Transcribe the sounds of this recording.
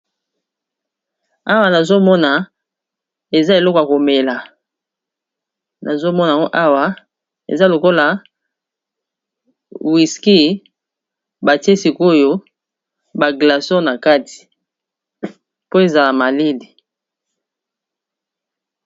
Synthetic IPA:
a˦wa˦na˨zo˦mɔ˦na˨ | e˨za˦e˨lɔ˦kja˨ko˨me˨la˨ | nʔa˨zo˦mɔ˦na˨ŋɡo˦ʔa˦wa˦ | ḛ˨za˦lo˨ko˦la˨ | wi˨ski˦ | ba˨ti˦e˦si˨ko˦jo˦ | ba˨ɡla˨sɔ˦na˨ka˦ti̥˨ | po˦e˨za˨la˨ma˨li˦di˨

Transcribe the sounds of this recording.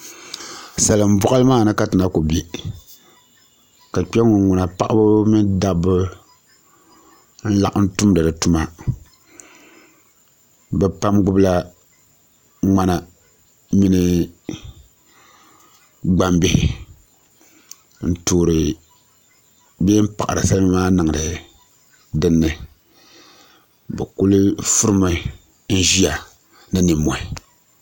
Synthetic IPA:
sa˨lɨ˨m̩˦bɔ˦ʔa˦lɨ˦maː˦˨nɨ˦ka˦tɨ˨na˦ku˨be˨ | ka˨k͡pi˦ɛ˦ŋʊ˨ŋŋu˨na˨pa˦ʔa˦bʊ˦mi˦nda˦bɨ˦ | n̩˦la˦ʔn̩˦tu˦mdɨ˨dɨ˨tu˦ma˦ | bɛ˨pa˦mɡʊ˦bla˦ | ŋ͡ma˦na˨ | mi˦nɨ˦ | ɡ͡ba˦mbɪ˦hɪ˨ | n̩˨toː˨ɾɨ˨ | be˦m̩˦pa̰˨ʔa˨ɾɨ̰˨sa˦lmaː˦nɨ˨ŋ˨dɨ˨ | dɨ˦nːɨ˨ | bɛ̰˨kʊ˦lɨ˦fʊ˦ɾɨ˦ma˦ | n̩˦ʒi˦a˨ | nɨ˦nɨ˨mːɔ˨ɪ˨

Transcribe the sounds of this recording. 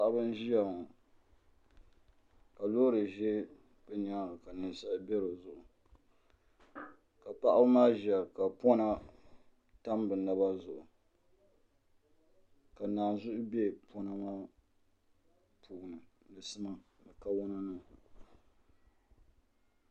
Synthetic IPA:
a˦ʔa˦bɨ˦n˦ʒi˦ja˨ŋɔ˨ | ka˨loː˦ɾɨ˨ʒɛ˦ | b̥ɛ˦n˦a˦ɾɨ˨ka˨nɨ˨n˦sa˦bɛ˦ɾo˨zʊ˨ʔʊ˨ | ka˨pa˦ʔa˦bɨ˦maː˦ʒa˨ka˨pɔ˦na˦ | ta˦mbɨ˨na˦ba˦zʊ˨ʔʊ˨ | ka˨naː˨zʊ˦ʔʊ˦be˦pʰɔ˦na˦maː˦ | pʰuː˦˨nɨ˨ | dɨ˨sɨ˦ma˨ | bɨ˨ka˦wɔ˦na˦nɨ˦˨

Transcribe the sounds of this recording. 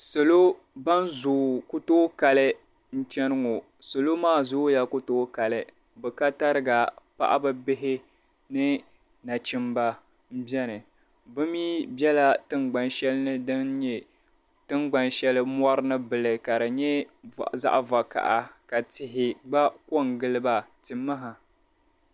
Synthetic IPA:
so˨lo˦ | ba˦nzu˨kʊ˦to˦ka˨lɨ˦ | n̩˦t͡ʃɛ˦nɨ˦ŋo˨ | so˨lo˦maː˦zʊ˦ja˦kʊ˦to˦ka˨lɨ˨ | bɨ˨ka˦ta˦ɾɨ˦ɡa˨pa̰˦ʔa̰˦bɨ˦bɪ˦ɦɪ˦ | nɨ˦ | na˨t͡ʃɪ˦mba˦ | m̩˦bjɛ˦nɨ˨ | bɨ˦miː˦bɛ˦la˦tɨ˦ŋɡ͡ba˨nʃɛ˦lɨ˦nɨ˦dɨ˦nɲɛ˨ | tɨ˦ŋɡ͡ba˦nʃɛ˦lɨ˦mɔ˦ɾɨ˦nɨ˦bɨ˨lɨ˨ka˨ɾɨ˨ɲɛ˦za̰˦ʔva˨ka̰˨ʔa˨ka˨tɪ˨ɦɪ˨ɡ͡ba˦ko˦ŋ˨ɡɨ˦lɨ˦ba˨tɨ˨mːa˦ɦa˨

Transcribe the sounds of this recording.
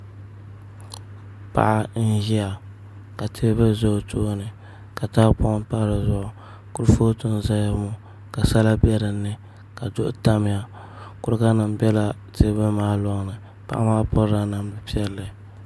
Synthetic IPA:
pa̰˨ʔa˦n̩˦ʒi˦a˨ | ka˨tʰeː˦bɨ˦zo˦˨tʰoː˦nɨ˨ | ka˨ta˦pʊ˦ʔpa˦ɾɨ˨zʊ˦ʔʊ˨ | kʊ˦ɾɨ˦foː˦tɨ˦n˨za˦ja˦mu˦ | ka˨sa˦la˦bɛ˦ɾɨ˨nːɨ˦ | ka˨dʊ˦ʔʊ̰˦ta˦mɪ˦ja˦ | kʊ˦ɾɨ˦ka˦nɨ˨m˨bɛ˦la˨tʰeː˦bɨ˦maː˦lɔ˦ŋ˦nɨ˨ | pa̰˨ʔa̰˦maː˦pɔ˦ɾa˦na˨m˦bɨ˨pi˦ɛ˦lːɨ˨

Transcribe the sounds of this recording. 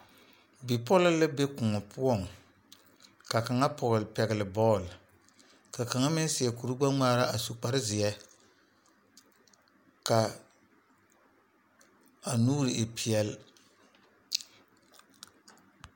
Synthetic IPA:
bi˨pɔ˦lɪ˦lɪ˦be˦kʊ˨ŋɔ˨pʰʊ˦ɔ˦˨ŋ | ka˨ka˨ŋa˦pʰɔ˨ɣlpɛ˨ɣɪ˨lɪ˨bɔː˦˨l | ka˨ka˨ŋa˦mɪ˦n˦sɪ˨ɛ˨ku˨ɾu˦ɡ͡ba˦ŋ͡maː˦ɾa˦ʔa˨su˨k͡pa˨ɾɪ˦zɪ˨jɛ˦ | ka˨ | a˨nuː˦ɾɪ˨ʔe˨pʰi˨ɛ˨l

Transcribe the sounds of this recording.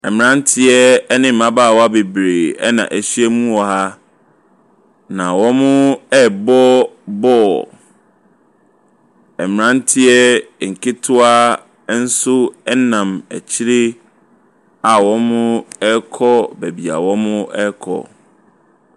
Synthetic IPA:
ɛ˨mɾã˦n̩˦tʰɪ˦ɛ˦nɪ̃˦m̩ː˨ã˦baː˦˨wɔ˦a˦be˨bɾeː˨ɛ̰˦nã̰˨ʔæ˨ɕi˦ɛ˦mũ˦wɔ˨ɦa˦ | nã˨wɔ̃˦mʊ̃˦ɛ˦bɔ˦bɔː˦˨ | ɛ˨m̃˨ɾã˦n˦tʰɪ˦ɛ˦˨ŋ̩˨kʰɪ˦tʰʊ˦a˦ | n̩˦sʊ˦ɛ˦nã˨mæ̰˨t͡ɕʰi˦ɾe˦ | a˨wɔ̃˦mʊ̃˦ɛ˦kʰɔ˦bæ˨bi˨a̰˨wɔ̃˦mʊ̃˦ʔɛ˦kʰɔ̰˨

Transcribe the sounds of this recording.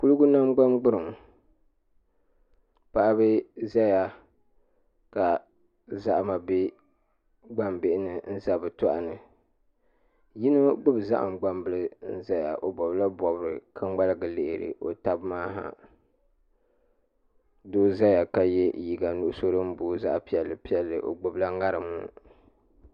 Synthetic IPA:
ku˦lu˦ɡʊ˦na˦mɡ͡ba˦mɡ͡bɨ˦ɾɨ˨ŋ | pa˦ʔa˦bɨ˦za˦ja˨ | ka˨ | za˦ʔma˨be˦ | ɡ͡ba˦mbɪ˦ʔɪ˦nɨ˨n̩˦za˨bɨ˨tɔ˦ʔa̰˨nɨ˨ | ji˦nɨ˦ɡ͡bʊ˦bza̰˦ʔa̰˨mɡ͡ba˦mbɨ˦lɨ˦n̩˦za˦ja̰˨ʔo˨bɔ˨bla˦bɔ˨bɨ˦ɾɨ˨kʰɨ˦ŋ͡mɡ͡ba˦lɨ˦ɡɨ˨lɪ˨ʔhɪ˨ɾɨ̰˨ʔo̰˨ta˦bmaː˦ɦa̰˨ | doː˦za˦ja˨ka˨jɛ˦ji˨ɡa˨nu˦ʔʊ˦so˦ɾɨ˦m̩˦boː˨za̰˦ʔpi˦ɛ˨lːɨ˨pi˦ɛ˨lːɨ̰˨ʔo̰˨ɡ͡bʊ˨bla˦ŋa˦ɾɨ˨mṵ˦˨

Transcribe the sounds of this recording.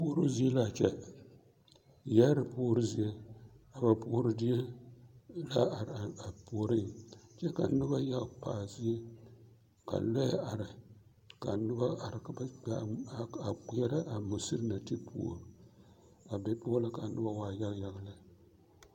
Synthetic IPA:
po˦ɾɨ˦zi˦e˦la˦˨t͡ʃɛ˦ | ja˦ɾɨ˨poː˦ɾɨ˦zi˦je˦a˨ba˨po˦ɾɨ˦di˦je˦ | la˦˨ɾa˨po˨˦ɾɨ˦t͡ʃɛ˦ka̰˨nʊ˦ba˦ja˦ɣpa̰ː˨zi˦e˦ | ka̰˨lɔ˦ja˨ɾɪ˨ | ka˨nʊ˦ba˦a˨ɾkba˨a˨kjɛ˦ɾa˦ʔa˨mu˨sɨ˦ɾɨ˦na˨ti˦pʰo̰˨ɾ | a˨be˦po˦la˦ka˨nɨ˦ba˦waː˦˨ja˦ɣja˦ɣlɨ˦˨

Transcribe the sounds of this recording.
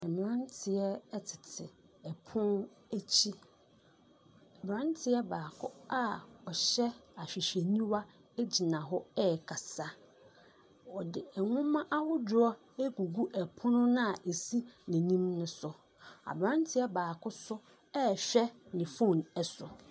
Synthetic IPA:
ɛ˨mɪ̃˨ã˦ntʰɪ˨ɛ˦tʰɪ̥˨tʰɪ˨ | ɛ˨pʰʊ̃˦n | æ˦t͡ɕʰi˦ | a˨bɾã˦ntʰɪ˦ɛ˦baː˨kʰʊ˦a˦ɔ˨ɕɛ˦a˨ɕᶣi˨ɕe˨nĩ˦wa˦ | ɛ˦d͡ʑi˨nã˨ɦɔ˦ɛ˦˨kʰa˨sa˦ | ɔ˨dɪ˨ɛ˨ŋʊ̃˦mã˦ʔa˦hʊ˦dʊ˦ɔ˦ | e˦ɡu˨ɡu˦ʔɛ˨pʰʊ̃˦nʊ̃˦nã˦a˨ʔe˨si˦nɛ̃˨nĩ˦mnʊ̃˦sʊ˨ | a̰˨bɾã˦ntʰɪ˦ɛ˦baː˨kʰʊ˦sʊ˦ | ɛ˦˨ɕᶣɛ˦nɪ̃˨fõ˦˨nɛ˨sʊ˨

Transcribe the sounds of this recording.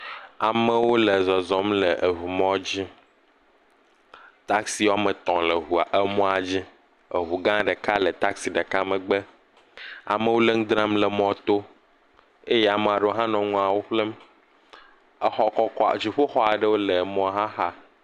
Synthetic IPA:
a˨mə˦wo˦le˨zɔ˨zɔ˦mlə˨ʔe˨ɦu˨mɔ̃˦d͡ʑi˦ | t̪a˦ksi˦wa˦mə˨t̪ɔ̃˨lə˨ɦu˨a˨ʔe˦mɔ̃˦a˨d͡ʑi˦ | ə˨ɦu˨ɡã˦ɖə˨ka˦lə˨t̪a˦ksi˨ɖə˨ka˦mə˨ɡ͡bə˦ | a̰˨mə̃˦wo˦le˦ŋ̩˦d̪ɾã˦mlə˨mɔ̃˨t̪o˦ | e˦jɛ˦a˨me˨a˨ɖə˦wo˦ɦã˦nɔ̃˨ŋũ˦a˨wo˦ɸle˦m˦ | xɔ˦kɔ˦kɔ̰˦˨d͡ʑi˨ɸo˦xɔ˦a˨ɖə˦wo˦le˨mɔ̃˦ɦã˦ɦa˦

